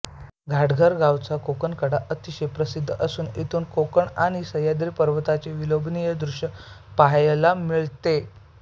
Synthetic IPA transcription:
ɡʱaʈɡʱəɾɡawt͡sakokəɳkəɽaʔət̪iɕepɾəsid̪ʱːəsuːnit̪uːnkokəɳaɽ̃isəjad̪ɾipəɾʋət̪at͡seʋilobnijəd̪ɾuɕə | paɦjlamiɭt̪e

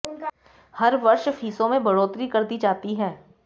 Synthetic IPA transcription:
hɐɾʋɐɾʃfʰiːsõmẽbʱɐɽoːt̪ɾikɐɾd̪id͡ʒaːt̪iɦɛː

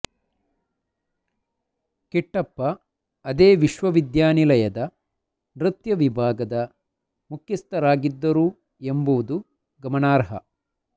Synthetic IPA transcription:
kiʈːɐpːɐː | d̪eːʋiʃʋɐʋid̪jaːnilɐjɐd̪ɐ | nɾɨt̪jɐʋibʱaːɡɐd̪ɐ | mukʰjɐst̪ɐɾaːɡid̪ːɐɾuː | e̞mbuʋud̪u | ɡɐmɐnaːɾɦɐ̰

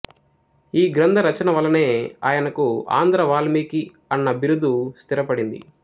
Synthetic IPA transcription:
iːɡɾɐnd̪ʱɐɾɐt͡ʃɐnɐʋɐlːɐneːa̰ːjɐnɐkua̰ːnd̪ɾɐʋaːlmiːki | ɐnːɐbiɾud̪ːust̪iɾɐpɐɽind̪ḭ

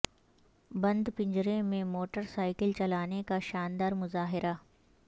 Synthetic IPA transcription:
bɐ̃nd̪pɪ̃ɲd͡ʒɾẽmẽmoːʈəɾsaːɪkəlt͡ʃɐlaːnekaʃaːnd̪aːɾmʊzaːɦɪɾʔaː

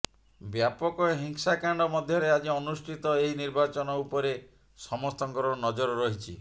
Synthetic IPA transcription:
bjapɔkɔɦiŋsakaɳɖɔmɔd̪ʱjɔɾead͡ʒiɔnusʈʰit̪ɔeɦiniɾbat͡ʃɔnɔupɔɾe | sɔmɔst̪ɔŋkɔɾɔnɔd͡ʒɔɾɔɾɔɦit͡ʃʰḭ

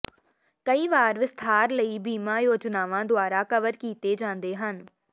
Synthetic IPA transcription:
kəiːʋaːɾʋɪst̪ʰaːɾləiːbiːmaːjoːd͡ʒnaːʋãːd̪ʊaːɾaːkəʋəɾkiːt̪eːd͡ʒãːnd̪eːɦən

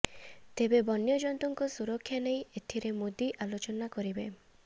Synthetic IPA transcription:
t̪ebebɔnjɔd͡ʒɔnt̪ɔŋkɔsuɾɔkʰːjanejet̪ʰiɾemod̪iʔalot͡ʃɔnakɔɾibe

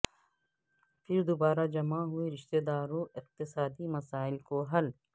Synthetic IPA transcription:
fʰɪɾd̪obaːɾad͡ʒɐmaɦʊeɾɪʃt̪eːd̪aːɾõʔɪq̚t̪ɪsaːd̪imɐsaːɪlkoɦɐl

